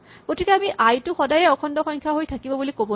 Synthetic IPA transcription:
ɡ̥otʰikɛamiʔajtʊxɔdajɛɔkʰɔndɔxɔɲkʰjaɦojtʰakibɔbulikobɔ

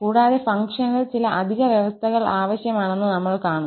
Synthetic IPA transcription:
kuːɽaːðefɐŋkʂɐnɣɐɭt͡ɕilɐʔɐd̪ʱiɣɐʋjeʋɐst̪ʰɐɣɐɭaːʋɐɕjɐmaːɳe̞nːɨnɐmːɐɭkaːɳu

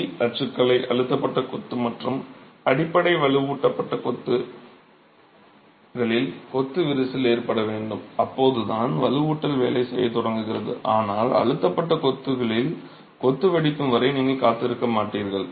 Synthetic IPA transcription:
ɐt͡ʃɯkːɐɭɐɪʔɐɻɯt̪ːɐpːɐʈːɐkɔt̪ːɯmɐʈrɯmɐɽɪpːɐɽɐɪʋɐlɯʋuːʈːɐpːɐʈːɐkɔt̪ːɯ | ɣɐɭɪlkɔt̪ːɯʋɪɾɯsɪleːɾpɐɽɐʋeːɳɖɯmɐpːoːðɯðaːnʋɐlɯʋuːʈːɐlʋḛːlɐɪsɛjɐt̪ʊɽɐŋɡɯɣɪrɐðɯ̰ʔaːnaːlɐ̰ɻɯt̪ːɐpːɐʈːɐkɔt̪ːɯɣɐɭɪl | kɔt̪ːɯʋɐɽɪk̪ːɯmʋɐɾɐɪniːŋɡɐkaːt̪ːɪɾɯkːɐmaːʈːiːɾɣɐɭ

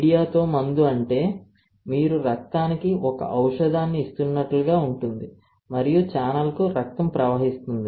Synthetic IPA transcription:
ɽijaːt̪o̞ːmɐnd̪uɐɳʈe̞ː | miːɾuɾɐk̚t̪aːnikiɔkɐ̰ʔɐwʂɐd̪aːnːiːst̪unːɐʈluɡaːuɳʈund̪i | mɐɾijut͡ʃaːnɐlkuɾɐk̚t̪ɐmpɾɐʋɐɦist̪und̪i

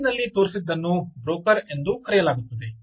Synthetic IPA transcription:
nɐlːit̪oːɾisid̪ːɐnːubɾoːkɐɾend̪ukɐɾɛjɐlaːɡut̪ːɐd̪e

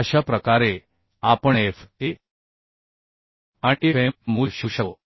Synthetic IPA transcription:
əʃapɾəkaɾe | apəɳefe | aʈiemuʃuʃə

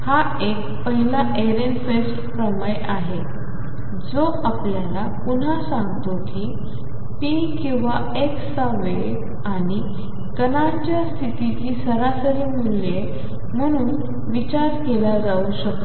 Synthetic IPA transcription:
ha | ek | pəɦilaʔeɾenfesʈpɾəməjaɦe | d͡zoʔapljalapun̤asãŋɡt̪okiː | pi | kĩw̃ʋa | eksaʋe | aɽ̃i | kəna | t͡ɕjast̪ʰit̪it͡ɕiːsəɾasəɾiːmule | m̤əɽ̃uːn | ʋit͡ɕaɾkelad͡zauɕəkə

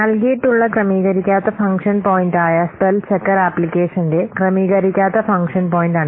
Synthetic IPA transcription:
nɐlkijiʈːuɭːɐkrɐmiːɣɐɾikʲːaːt̪ːɐfɐŋkʂɐnpoːjinɖaːjɐspelt͡ɕekːɐɾaːpːlikʲːeːʂɐnde̞krɐmiːɣɐɾikʲːaːt̪ːɐfɐŋkʂɐnpoːjindaːɳɨ

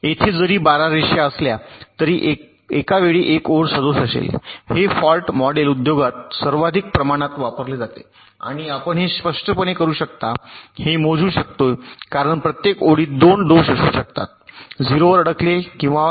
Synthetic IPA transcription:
et̪ʰed͡zəɾiːbaɾaɾeɕjaəsljat̪əɾiːʔe | ekaʋeɭiːʔekoɽsəd̪osəsḛlhefɔlʈmɔɖelud̪joɡat̪səɾʋad̪ʱik̚pɾəmaɽ̃at̪ʋapəɾled͡zat̪ḛ | a̰ɽ̃iapəɳɦespəʂʈəpəɳ̃ekəɾuːɕək̚t̪ahemod͡zʱuːɕək̚t̪ojkaɾəɳpɾət̪jekoɽiːd̪onɖosəsuːɕək̚t̪a̰t̪̚d͡ziɾoʋəɾəɽəklekĩw̃ʋa

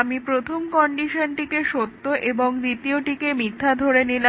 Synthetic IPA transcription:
amipɾot̪ʰomkɔɳɖiʃonʈikeʃot̪ːoʔeboŋd̪it̪ioʈikemit̪ʰːad̪ʱoɾenila

